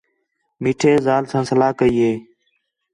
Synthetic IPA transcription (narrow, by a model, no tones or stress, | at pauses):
miːʈʰeːzaːlsãːsəlaːkəiːɦeː